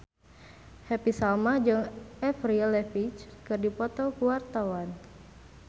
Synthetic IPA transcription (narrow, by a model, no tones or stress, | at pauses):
hɛpisalmad͡ʒɨŋɛfrilɛfit͡ʃkɨrdipɔt̪ɔkuwart̪awan